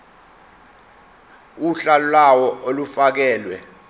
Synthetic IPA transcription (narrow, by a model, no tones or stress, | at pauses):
uɬallawɔʔolufak̬ɛːlwɛ̰